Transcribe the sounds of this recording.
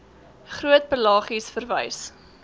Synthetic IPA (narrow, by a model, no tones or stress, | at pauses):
χruət̚pəlɑːχisfərvɐjs